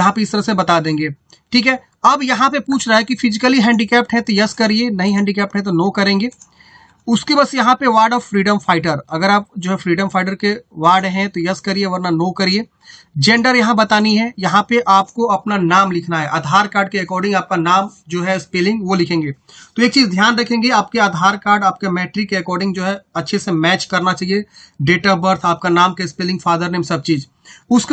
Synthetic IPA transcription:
jɐɦãpeɪst̪əɾəsebɐt̪ad̪ẽːŋɡeː | ʈʰiːkɦɛː | ɐbjɐɦãpepuːt͡ʃʰɾaːɛkifɪzɪkəliɦɛ̃ːɳɖikɛːp̚ʈɦɛ̃t̪ojɐskɐɾienɐɦĩɦɛ̃ːɳɖikɛːp̚ʈɦɛ̃t̪̬onoːkɐɾẽːŋɡeː | ʊskebɐsjɐɦãpeʋaːɾɖɔːʋfɾiːɖəmfaːɪʈəɾɐɡəɾaːp̚d͡ʒoːɦɛfɾiːɖəmfʰaːɪʈ̬əɾkeʋaːɾɖɦɛ̃t̪ojɐskɐɾieʋɐɾnanoːkɐɾieː | d͡ʒẽːɳɖəɾjɐɦãbɐt̪aːniɦɛjɐɦãpeʔaːpkoɐpnanaːmlɪkʰnaɦɛʔaːd̪ʱaːɾkaːɾɖkeɛkɔːɾɖɪ̃ŋɡaːp̚kanaːmd͡ʒoːɦɛɪspeːlɪ̃ŋɡʋolɪkʰẽːŋɡeː | t̪oeːk̚t͡ʃiːzd̪ʱjaːnɾɐkʰẽːŋɡeaːp̚keaːd̪ʱaːɾkaːɾɖaːpkemɛːʈɾikeɛkɔːɾɖɪ̃ŋɡd͡ʒoːɦɛɐtːʃʰesemɛːt͡ʃkɐɾnat͡ʃaːɦie | ɖeːʈabəɾt̪ʰaːp̚kanaːmkeɪspeːlɪ̃ŋɡfaːd̪əɾnẽːmsɐb̚t͡ʃiːz | ʊsk

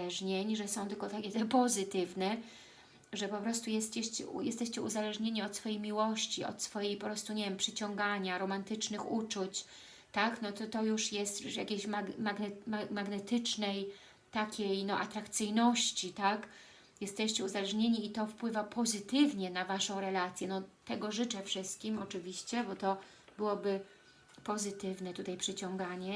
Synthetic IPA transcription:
ɛʐɲeɲʐɛsɔ̃w̃t̪ɘlkɔt̪akʲɛt̪ɛpɔzɘt̪ɘvnɛ | ʐɛpɔpɾɔst̪ujɛst͡ɕɛɕt͡ɕɛ̰jɛst̪ɛɕt͡ɕɛṵzalɛʐɲeɲiɔt̪sfɔjejmʲiwɔɕt͡ɕiɔ̰t̪sfɔjejpɔpɾɔst̪uɲevʲjɛmpʂɘt͡ɕɔŋɡaɲaɾɔmant̪ɘt͡ʂnɘxut͡ʂut͡ɕ | t̪aknɔt̪ɔt̪ɔjuʂjɛst̪ja̰kʲejɕmaɡmaɡnɛmamaɡnɛt̪ɘt͡ʂnɛj | t̪akʲejnɔʔat̪ɾakt̪sɘjnɔɕt͡ɕit̪ak | jɛst̪ɛɕt͡ɕɛuzalɛʐɲeɲiit̪ɔfpwɘvapʰɔzɘt̪ɘvɲɛnavaʂɔ̃w̃ɾɛlat̪sʲjɛnɔt̪ɛɡɔʐɘt͡ʂɛfʂɘst̪̚kʲimɔt͡ʂɘvʲiɕt͡ɕɛbɔt̪ɔ | bɘwɔbɘ | pɔzɘt̪ɘvnɛt̪ut̪ajpʂɘt͡ɕɔŋɡaɲɛ

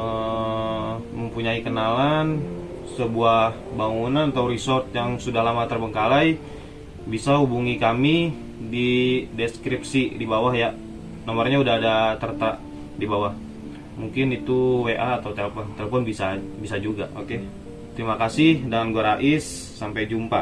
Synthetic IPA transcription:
ə | məmpuɲaikənalan | səbuahbaŋunanat̪awɾisɔrt̪̚jaŋsudahlamat̪ərbəŋkalaj | bisaɦubuŋikami | didɛskɾipsidibawahja | namarɲaudaɦadat̪ərt̪aʔ | dibawah | muŋkɪnit̪uweʔaːt̪awt̪elfɔnt̪eləfɔnbisabisad͡ʒuɡaʔo̰ke | t̪əɾimakasɪhdanɡuaɾaʔɪsː | ampajd͡ʒumpa

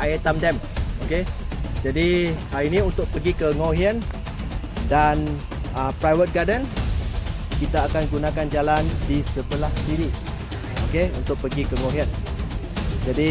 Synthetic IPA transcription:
ʔaet̪amdɛm | oked͡ʒadihaɾinĩunt̪ʊk̚pəɡikəŋoɦiən | dan | əpɾajwət̪̚ɡadən | kit̪aːkanɡunãkand͡ʒalandisəbəlahdiɾi | okeṵnt̪ʊk̚pəɡikəŋoɦiən | d͡ʒadi

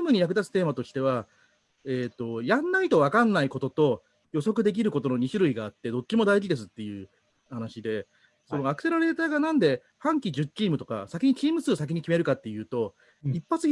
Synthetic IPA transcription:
mɯ̟ɲ̟ijakɯ̟d̪at͡sɨ̥t̪e̞ːmat̪o̞ɕi̥t̪e̞β̞a | eːt̪ːo̞jãnːait̪o̞βakãnːaiko̞t̪ot̪o̞ | jo̞so̞kɯ̟d̪e̞k̬ʲiɾɯ̟ko̞t̪o̞no̞ɲ̟iɕiɾɯ̟iɡaːt̪ːe̞d̪o̞t͡ɕːimo̞d̪aiʑid̪e̞s̬ɨt̪ːe̞jɯ̟ː | hanaɕid̪e̞ | so̞noakɯ̟se̞ɾaɾe̞ːt̪aːɡanãnd̪e̞ | hãŋkʲid͡ʑɨt͡ɕːiːmɯ̟t̪o̞ka̰sakʲiɲ̟it͡ɕiːmɯ̟sɨːsak̬ʲiɲ̟ikʲime̞ɾɯ̟kat̪ːe̞jɯ̟ːt̪o̞ | ipːat͡sɨ

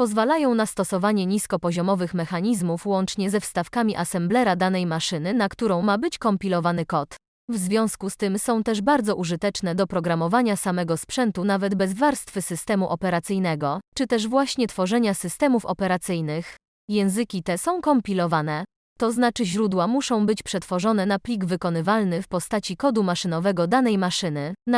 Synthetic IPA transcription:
pɔzvalajɔ̃w̃nast̪ɔsɔvaɲɛɲiskɔpɔʑɔmɔvɘxmɛxaɲizmufwɔnt͡ʂɲɛzɛfst̪afkamʲiʔasɛmblɛɾad̪an̪ɛjmaʂɘnɘnakt̪uɾɔ̃w̃mabɘt͡ɕkɔmpʲilɔvanɘkɔt̪ | vzvʲjɔ̃w̃skust̪ɘmsɔ̃w̃t̪ɛʐbaɾd̪zɔʔuʐɘt̪ɛt͡ʂnɛd̪ɔpɾɔɡɾamɔvaɲasamɛɡɔspʂɛnt̪unavɛd̪bɛzvaɾst̪fɘsɘst̪ɛmuʔɔpɛɾat̪sɘjnɛɡɔt͡ʂɘt̪ɛʐvwaɕɲɛt̪fɔʐɛɲasɘst̪ɛmufɔpɛɾat̪sɘjnɘx | jɛ̃w̃zɘkʲit̪ɛsɔ̃w̃kɔmpʲilɔvanɛ | t̪ɔznat͡ʂɘʑɾud̪wamuʂɔ̃w̃bɘt͡ɕpʂɛt̪fɔʐɔn̪ɛnaplʲiɡvɘkɔnɘvalnɘfpɔst̪at͡ɕikɔd̪umaʂɘnɔvɛɡɔd̪anɛjmaʂɘnɘ

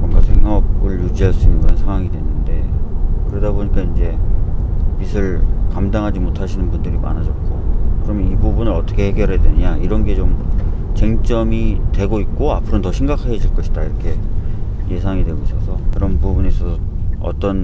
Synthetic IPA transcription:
mwʌnɡasʰe̞ŋʌbɯɭjud͡ʑiɦaɭs͈unɯnkɯɾʌnsʰaŋwaŋidwe̞nːɯnde̞kɯɾedʌboɲik͈aind͡ʑe̞ | misʰɯɭkamdaŋɦad͡ʑimotʰaɕʰinɯnbundɯɾima̰nad͡ʑʌt̚k͈okɯɾʌmjʌnibubunɯɾʌt͈ʰʌkʰe̞he̞ɡjʌɾɦedwenɯɲaiɾʌnɡe̞t͡ɕomt͡ɕeŋt͡ɕ͈ʌmitwe̞ɡoit̚k͈oapʰɯɾontʌɕʰiŋɡakʰaed͡ʑiɭk͈ʌɕʰi̥d̥aiɾʌkʰe̞ | je̞sʰaŋidwe̞ɡois͈ʌsʰʌkɯɾʌnpubunes͈ʌsʰʌ | ʌ̰t͈ʌn

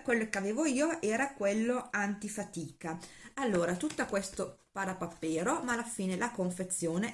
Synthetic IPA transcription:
kwelːokeaveːvoiːoʔɛːɾakwelːoant̪ifat̪iːkaalːoːɾat̪ut̪ːakwest̪o | paɾapapːeːɾomalːafiːnelakoɱfet̪sːjoːne

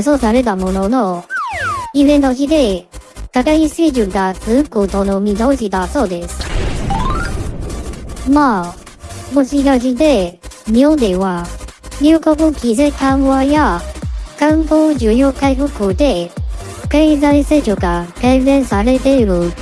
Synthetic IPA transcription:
sosaɾe̞t̪̬amo̞nono | ibẽnt̪oçid̪e̞kakaiseːʑɨɡat͡sɨɯkot̪onomʲid̪oːɕid̪aso̞ːd̪e̞sɨ̥ | ma | moɕiɡaʑid̪e̞ɲʲiõnd̪eβaɲʲɯːkobɯkʲizat̪ãɰβaja | kãŋɡoːd͡ʑɨːjokaiɸɯ̟koːd̪e̞ | keizaiseːʑoɡakaizẽɰsaɾe̞t̪eɾɯ̟

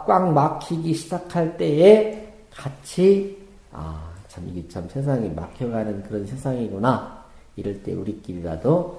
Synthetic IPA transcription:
k͈waŋmakʰiɡiɕʰid͡ʑakʰaɭt͈e̞e | kat͡ɕʰi | a̰t͡ɕamiɡet͡ɕʰamsʰe̞s̬ʰaŋima̰kʰjʌɡanɯnkɯɾʌnsʰe̞sʰaŋiɡuna | iɾɯɭt͈e̞̰uɾik͈iɾiɾa̰do

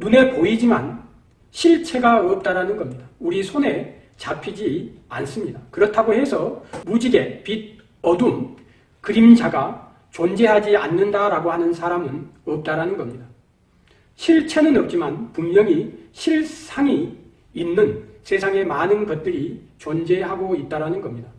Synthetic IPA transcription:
nune̞poid͡ʑiman | ɕʰiɭt͡ɕʰe̞ɡaʌp̚t͈aɾanɯnɡʌmɲidauɾisʰone̞ | t͡ɕapʰid͡ʑians͈ɯmɲidakɯɾʌtʰaɡoɦe̞sʰʌmud͡ʑiɡe̞pid | ʌdun | kɯɾimd͡ʑaɡa | t͡ɕond͡ʑe̞ɦad͡ʑianːɯndaɾaɡohanɯnsʰaɾamɯnʌp̚t͈aɾanɯnɡʌmɲida | ɕʰiɭt͡ɕʰe̞nɯnʌp̚t͡ɕ͈imanpumɲjʌŋiɕʰiɭsʰaŋiː | nːɯnsʰe̞sʰaŋe̞manɯnɡʌt̚t͈ɯɾit͡ɕond͡ʑe̞ɦaɡoit̚t͈aɾanɯnɡʌmɲida

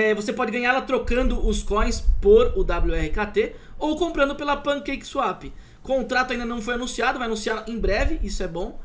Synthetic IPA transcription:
ɛvosepɔd͡ʒɪɡɐ̃ɲaɾlɐt̪ɾokɐ̃nd̪ʊʔʊskõj̃spoɾʊd̪abluɛhɪkat̪e | owkõmpɾɐ̃nd̪ʊpelɐpɐ̃kejksuapɪ | kõt̪ɾat̪ʊaĩnd̪ɐnɐ̃w̃fojanũsiad̪ʊvajanũsialɐẽj̃bɾɛvɪʔisʊɛbõ

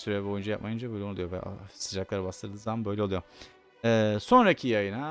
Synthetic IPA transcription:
syɾɛbo̞jund͡ʒajap̚majɯnd͡ʒabøjlʲɛnud̪ujovɛ̰ʔsɯd͡ʒaklˠaɾbast̪ˠɯɾd̪ɯːzaambø̞jlʲɛlˠujo | ɛso̞nɾacʰijajɯna

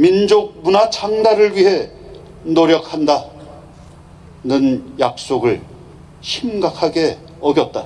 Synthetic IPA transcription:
mind͡ʑok̚munat͡ɕʰaŋdaɾɯɭɥiɦe̞ | noɾjʌk̚ʰanda | nɯnjak̚s͈oɡɯɭ | ɕʰimɡakʰaɡe̞ | ʌɡjʌt̚t͈a

